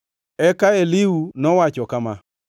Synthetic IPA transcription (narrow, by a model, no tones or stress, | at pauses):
ɛkaeliwunɔwat͡ʃɔkama̰